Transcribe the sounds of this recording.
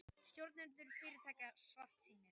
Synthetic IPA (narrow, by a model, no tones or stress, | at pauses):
st̪jowɾt̪nɪnt̪ʏɾfɪːɾɪt̪ʰaːjcasvaft̪siːnɪɾ̥